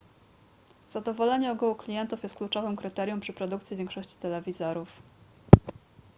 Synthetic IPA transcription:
z̥ad̪ɔvɔlɛɲɛɔɡuwɔklʲijɛnt̪ufjɛst̪klut͡ʂɔvɘmkɾɘt̪ɛɾjɔ̃mpʂɘpɾɔd̪ukt̪sʲjivʲjɛŋkʂɔɕt͡ɕi̥t̪ɛlɛvʲizɔɾuf

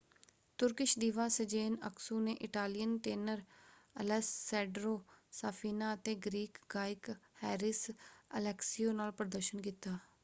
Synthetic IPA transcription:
t̪ʊɾkɪʃd̪iːʋaːsəd͡ʒeːnə̰ksuːneːʔɪʈaːlɪjənʈeːnəɾəlɛsːɛːɖɾoːsaːpʰiːnaːət̪eːɡɾiːkɡaːɪkhɛːɾɪsəlɛːksioːnaːlpɾəd̪əɾʃənkiːt̪aː

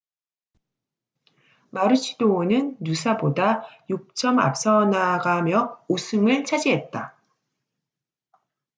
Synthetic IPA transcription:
maɾɯɕʰidonɯnːusʰabodajuk̚t͡ɕ͈ʌma̰p̚s͈ʌnaɡamjʌusʰuŋɯɭt͡ɕʰad͡ʑiɦe̞t̚t͈a

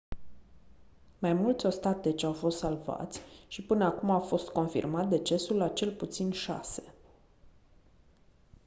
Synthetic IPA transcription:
majmult̪sʲo̞st̪at̪e̞t͡ʃʲawfo̞st̪salva̰t̪sʲʃipɨnəakumawfo̞st̪ko̞nfḭrmat̪̚d̪e̞t͡ʃe̞sulːat͡ʃe̞lput̪sinʃa̰se̞

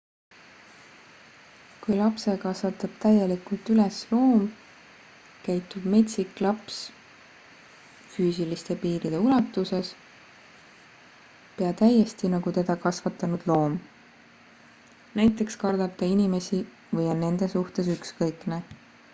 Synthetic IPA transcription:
kujlɑpse̞kɑsvɑt̪ːˑɑb̥̚t̪æjelikult̪yleslo̞ːm | kæjt̪ːˑub̥me̞t̪ʲsiklɑps | fyːsilist̪e̞piːɾid̪̥e̞ulɑt̪ːˑuse̞s | peɑt̪æje̞st̪inɑɡut̪e̞d̪̥ɑkɑsvɑt̪ːˑɑnud̪̥lo̞ːm | næjt̪ːˑe̞kskɑrd̪̥ɑb̚t̪ɑinime̞si | vɤjo̞nːe̞nd̪̥e̞suht̪e̞s̬ykskɤjkne

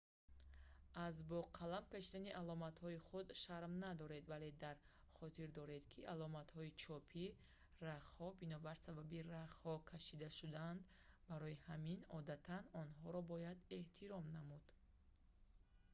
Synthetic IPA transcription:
azbɔqʰalamkaʃid̪aniʔalɔmat̪hɔiχud̪ʃaɾmnad̪ɔɾe̞d̪vale̞d̪aɾ | χɔt̪ʰiɾd̪ɔɾe̞d̪kʰiʔalɔmat̪hɔit͡ʃʰɔpʰi | raχhɔbinɔbaɾsababiraχhɔkʰaʃid̪aʃud̪aand̪ | baɾɔjihaminɔd̪at̪ʰanɔnɦɔɾɔbɔjad̪e̞ht̪ʰiɾɔmnamud̪̥

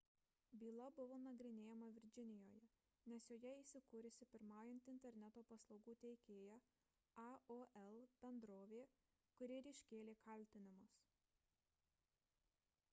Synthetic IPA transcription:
bʲiːlˠɐbʊʋoːnɐɡɾʲɪnʲeːjɛmɐʋʲɪɾʲd͡ʒʲɪnʲɪjoːjɛ | nʲɛsjoːjɛiːˑsʲɪkuːɾʲɪsʲɪpʲɪɾmɑːjɪnʲt̪ʲɪnʲt̪ʲɛɾʲnʲɛt̪oːpɐslˠɒʊɡuːt̪ʲɛɪkʲeːjæ | ɑoːʔɛlˠb̥ʲɛnd̪ɾoːʋʲeː | kʊɾʲiːɾʲɪʃʲkʲeːlʲeːkɐlʲt̪ʲɪnʲɪmʊs

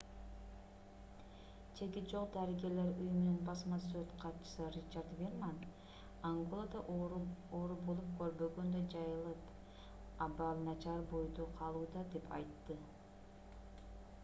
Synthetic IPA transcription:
t͡ʃʰe̞ɡʲit̪̚d͡ʒo̞qd̪ɑɾiɡʲe̞ɾle̞ɾujumnynbɑsmɑs̬øt̪qʰɑt̪t͡ʃɯ̥sɯrʲit͡ʃaɾt̪vʲerman | aŋɡolˠad̪ɑʔoɾubo̞lˠup̚kʰø̞ɾbø̞ɡø̞nd̪ød͡ʒɑjɯlˠɯp | ɑbɑlˠnɑt͡ʃɑɾbo̞jd̪oqʰɑlˠuːd̪ɑd̪e̞pɑ̰jt̪ːɯ

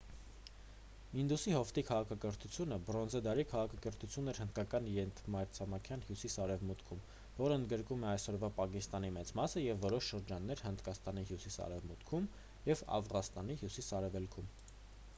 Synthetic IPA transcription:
ind̪usihɔft̪ikʰɑʁɑkʰɑkəɾt̪ʰut͡sʰjunəbɾɔnzɛd̪ɑɾikʰɑʁɑkʰɑkəɾt̪ʰut͡sʰjunːɛɾhənd̪̥̚kɑkɑniɾɛnt̪ʰmɑɾt͡sʰɑmɑkʰjɑnhjusisɑɾɛvmut̪kʰum | vɔɾəənd̪ɡəɾkumɛɑjsɔɾvɑpɑkist̪ɑnimɛt͡smɑsəjɛvːɔɾɔʃʃəɾd͡ʒɑnːɛɾhənd̪kɑst̪ɑniɦjusisɑ̰ɾɛvmut̪kʰum | jɛvɑ̰vʁɑnst̪ɑniɦjusisɑɾɛvɛlkʰum

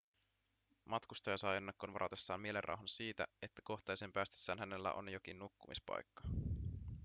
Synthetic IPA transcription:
mʔɑt̪kust̪ɑjɑsɑjenːekːonʋɑɾɑt̪e̞sːɑ̰ːmmie̞lerʔɑ̰wɦɑnsiːt̪æ̰e̞t̪ːæ̥ko̞xt̪ejsempæːst̪esːæːnɦæne̞lːæ̰ʔo̞̰njo̞k̟innukːumispɑ̰jkːɑ̥

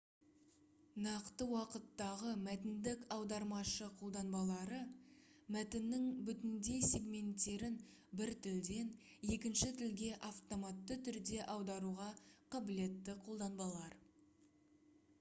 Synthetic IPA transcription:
nɑqt̪əwɑqət̪ːɑʁəmæt̪ɪnd̪ɪkɑwd̪ɑɾmɑʃəqʰo̞lˠd̪ɑnbɑlˠɑɾəmæt̪ɪnːɪŋbʏt̪ɪnd̪e̞sʲe̞ɡmʲe̞nt̪ːe̞ɾɪn | bɪɾt̪ʰɪld̪e̞n | e̞kʲɪnʃɪt̪ʰɪlɡʲe̞ʔaft̪o̞mɑt̪ːət̪ʰʏɾd̪e̞ʔɑwd̪ɑɾuʁɑqʰɑbɪle̞t̪ːɪqʰo̞lˠd̪ɑnbɑlˠɑɾ

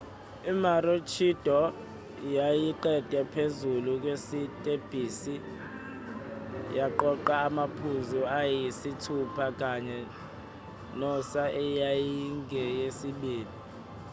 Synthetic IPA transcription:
imarot͡ʃʰid̥ʱɔ | jajiǃɛd̥ʱʼɛpʰezuluk̬wesitʼeb̥ʱiːsi | jaǃɔǃaːmapʰuzuajisitʰupʰak̬ʼaɲɛ | nɔsaʔɛjajiŋʱɛjesiɓiːli

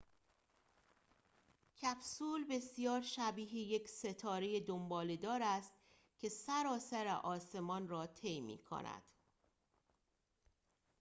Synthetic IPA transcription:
cʰæbsuːlbe̞sijɒːɾʃæbiːɦejecse̞t̪ʰɒːɾe̞jed̪ombɒːled̪ɒːɾæst̪̚ | cʰe̞sæɾɒːsæɾḛʔɒːse̞mɒːnrɒːt̪ʰejmḭːkʰo̰næ̰d̪̥

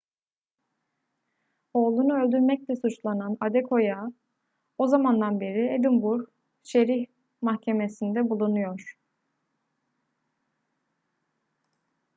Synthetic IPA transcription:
o̞ːlˠunuø̞lʲd̪yɾmɛc̚lʲɛsut͡ʃlˠananad̪ɛkʰo̞ja | o̞zamand̪anbeɾied̪imbuɾ | ʃe̞ɾiç | mahcʰe̞me̞sind̪ɛbulˠunujo̞ɾ̥

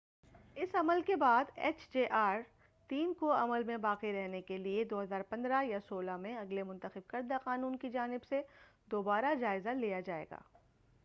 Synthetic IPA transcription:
ɪsɐməlkebaːd̪ɛ̰ːt͡ʃd͡ʒeːʔaːɾ | t̪iːnkoɐməlmẽbaːqiɾɛɦnekelied̪oːɦɐzaːɾpɐ̃nd̪ɾajasoːlamẽɐɡlemʊ̃nt̪əxɪb̚kɐɾd̪aqaːnũːnkid͡ʒaːnɪbse | d̪oːbaːɾad͡ʒaːɪzalijad͡ʒaːḛːɡa̰ː

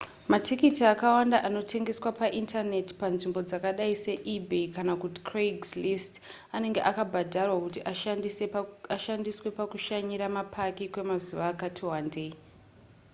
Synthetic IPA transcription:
matʰikitiakawandaʔano̞tʰe̞ŋɡe̞swapaʔintane̞ti̥panʐimbo̞d͡zakaɗaise̞ʔibʱekanakuti̥kreɡslist | ane̞ŋɡe̞ʔakabʱadʱarwakutiʔaiaʃandiswe̞pakuʃaɲiɾamapʰakikwe̞mazuʋaːkatʰiwande̞i

